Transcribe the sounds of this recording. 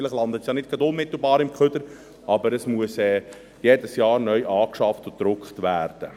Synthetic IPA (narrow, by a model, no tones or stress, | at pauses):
ɪləχlɑnd̪ət̪sjɑːnɪt̚ɡ̥ɑdʊnmɪt̪l̩bɑːɾɪmkʰχʏd̥əɾ | ʔɑbəɾəsmuəsɛː | jeːdəsjɑːɾnœʏʔɑːkʃɑftʊd̥ɾʊkχtʋæːɾd̥ə